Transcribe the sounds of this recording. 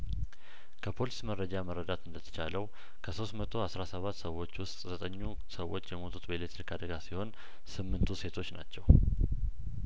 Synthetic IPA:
kʰəpʰo̞lisməɾːəd͡ʒaməɾːəd̪at̪ɨnd̪ət̪ʰə̥t͡ʃaləw | kʰəso̞st̪mət̪ʰo̞asɾasəβat̪ːsəwːo̞t͡ʃːwʊst̪ʼzət̪ʼəɲːu | səwːo̞t͡ʃːjɛmo̞t̪ʰut̪ʼbeelet̪ɾikad̪əɡasiho̞n | sɨmːɨnt̪ʰuse̞t̪ʰo̞t͡ʃːna̰t͡ʃːɛw

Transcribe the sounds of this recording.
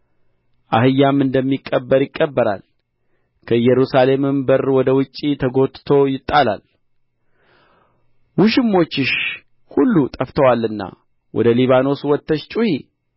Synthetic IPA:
ʔahɨjːamɨnd̪əmːikʼːəbːəɾjɪkʼːəbːəɾa̰l | kʰəjɛɾusale̞mɨmbərwɔd̪əwʊt͡ʃʼːit̪ʰəɡo̞t̪ːt̪ʰo̞jɪt̪ʼːala̰l | wuʃɪmːo̞t͡ʃːɪʃ | hulːut̪ʼəft̪ʰəwalːɨnːa̰ | wʔɔ̰d̪əliβano̞swɔt̪ːəʃt͡ʃʼuhi

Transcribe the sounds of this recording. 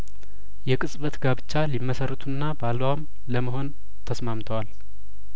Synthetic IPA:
jɛkʼɨsʼβət̪ɡabɨt͡ʃːalimːəsərːət̪ʰunːabaləwam | ləməɦo̞n | t̪ʰəsmamt̪ʰəwal

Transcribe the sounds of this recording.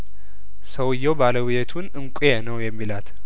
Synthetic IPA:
səwɨjːɛwbaləwɪjɛt̪ʰunɨŋkʷʼjɛnəwjɛmːilat̪

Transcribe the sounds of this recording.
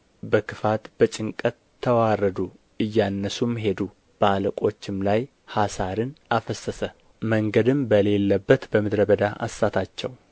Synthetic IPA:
bəkʰɨfat̪b̥ət͡ʃʼɪŋkʼət̪ʰːəwarəd̪u | ɨjːanːəsumɦe̞d̪u | b̥əaləkʼo̞t͡ʃːɪmlaj | hasaɾɨnʔafəsːəsə | məŋɡəd̪ɨmbəle̞lːəbːət̪bəmɨd̪ɾəbəd̪aʔa̰sːat̪ʰat͡ʃːɛw

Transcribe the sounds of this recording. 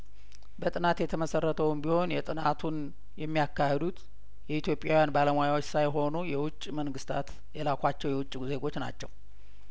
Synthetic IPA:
bət̪ʼɨnat̪jɛt̪ʰəməsərːət̪ʰəwɨmbiho̞njɛt̪ʼɨnat̪ʰun | jɛmːijakːahɛd̪ut̪ | jɛit̪jo̞pʼjawijanbaləmojawot͡ʃːsajɦo̞nujɛwʊt͡ʃʼːməŋɡɨst̪ʰa̰t̪ | jɛlakʷʰat͡ʃːɛwjɛwʊt͡ʃʼːze̞ɡo̞t͡ʃːna̰t͡ʃːɛw

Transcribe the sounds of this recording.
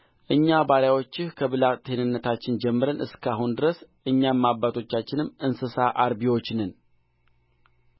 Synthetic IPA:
ʔɨɲːabaɾjawo̞t͡ʃːɪhkʰəβɨlat̪ʰe̞nɨnːət̪ʰat͡ʃːɪnd͡ʒɛmːɨɾənʔɨskʰaɦund̪ɨɾəsʔɨɲːammabːat̪ʰo̞t͡ʃːat͡ʃːɪnɨmːɨnsɨsaʔaɾbiwo̞t͡ʃːnɨn

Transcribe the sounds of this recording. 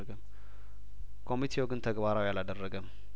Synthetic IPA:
əɡəm | kʰo̞mit̪ʰewoɡɨnt̪ʰəɡbaɾawjalad̪ərːəɡəm

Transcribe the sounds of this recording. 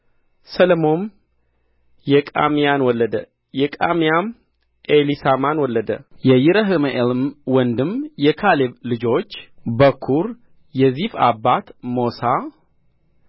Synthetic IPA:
sələmo̞n | jɛkʼa̰mijanwɔlːəd̪ə | jɛkʼamijam | ʔelisamanwɔlːəd̪əjɛjɪɾəɦɨmeʔelmwɔnd̪ɨmjɛkʰaleblɨd͡ʒo̞t͡ʃːbəkʰːuɾ | jɛzifa̰bːat̪mosa

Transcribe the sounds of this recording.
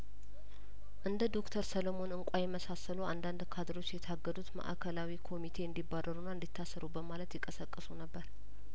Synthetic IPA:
ʔɨnd̪əd̪o̞kt̪ʰəɾsəlomo̞nɨŋkʷʼajɛməsasəluand̪and̪kʰad̪ɾo̞t͡ʃːjɛt̪ʰaɡːəd̪ut̪mə̰ʔa̰kʰəlawikʰo̞mit̪ʰe̞ɨnd̪ibːadːəɾunːaɨnd̪it̪ʰːasːəɾubəmalət̪jɪkʼəsəkʼːɨsunəbːəɾ

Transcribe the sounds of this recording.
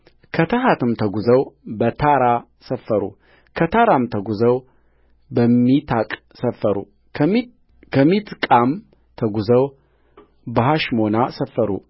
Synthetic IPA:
kʰət̪ʰəɦat̪ʰɨmt̪ʰəɡuzəwbət̪ʰaɾa | səfːəɾṵ | kʰət̪ʰaɾamt̪ʰəɡuzəw | bəmːit̪ʰakʼ | səfːəɾṵ | kʰəmit̪kʼam | t̪ʰəɡuzəw | bəɦaʃmonasəfːəɾṵ

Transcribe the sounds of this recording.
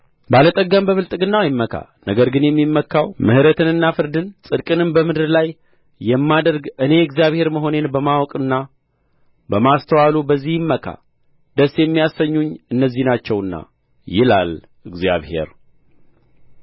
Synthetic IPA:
balət̪ʼəɡːəmbəβɨlt̪ʼɨɡɨnːawjɪmːəkʰa̰ | nəɡəɾɡɨnjɛmːimːəkʰːawmɨ̰hɾət̪ʰɨnɨnːafɨɾd̪ɨnsʼɨd̪kʼɨnɨmbəmɨd̪ɨɾlajː | ɛmːad̪əɾɡɨne̞ɨɡzjaβhe̞ɾməɦo̞ne̞nbəmawɔkʼɨnːa | bəmast̪ʰəwalubəzːihɪmːəkʰa̰ | d̪əsjɛmːijasːəɲːuɲːɨnːəzːihnat͡ʃːɛwɨnːa̰ | jɪla̰l | ɨɡzja̰βhe̞̰ɾ

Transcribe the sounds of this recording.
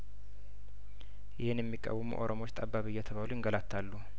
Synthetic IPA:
jɪhɨnjɛmːikʼːə̰wɨmṵʔo̞̰ɾʔomo̞t͡ʃːt̪ʼabːaβɨjːat̪ʰəβaluɪŋɡəlat̪ʰːalːu

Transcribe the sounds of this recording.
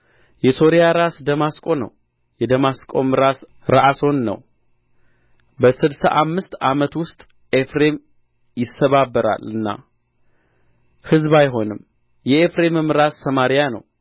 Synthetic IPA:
jɛso̞ɾijaɾasd̪əmaskʼo̞nə̰w | jɛd̪əmaskʼo̞̰mɨɾas | ɾa̰ʔaso̞nːə̰w | bəsɨd̪sa̰ʔamːɨst̪amət̪wʊst̪ʼ | ʔefɾe̞m | jɪsːəβabːəɾa̰lɨnːa̰ | hɨzbajɦo̞nɨm | jɛefɾe̞mɨmɨɾasːəmaɾijanə̰w

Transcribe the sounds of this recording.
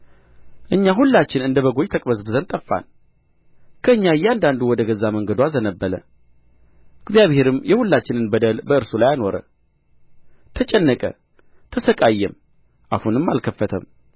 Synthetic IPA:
ʔɨɲːaɦulːat͡ʃːɪnɨnd̪əβəɡo̞jt̪ʰəkʼbəzbɨzənt̪ʼəfːa̰n | kʰəɨɲːajːɛand̪and̪uwɔd̪əɡəzaməŋɡəd̪wazənəbːələ̰ | ɨɡzijaβhe̞ɾɨmjɛhulːat͡ʃːɪnɨnbəd̪əlbəɨɾsulajano̞ɾə̰ | t̪ʰət͡ʃʼɛnːəkʼə̰ | t̪ʰəsəkʼajːɛm | ʔa̰hunɨmːalkʰəfːət̪ʰə̰m

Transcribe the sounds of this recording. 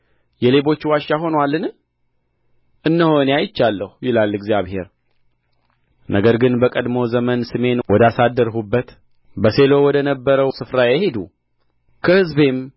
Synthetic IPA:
jɛle̞bo̞t͡ʃːwaʃːaɦo̞nwalːɨn | ʔɨnːəho̞neajɪt͡ʃːalːəhujɪlalːɨɡzijaβhe̞ɾ | nʔəɡəɾɡɨnbəkʼəd̪mo̞zəmənsɨme̞nwɔd̪asad̪əɾɦubːət̪ | bəse̞lo̞wɔd̪ənəbːəɾəwsɨfɾajɛhe̞d̪u | kʰəhɨzbem

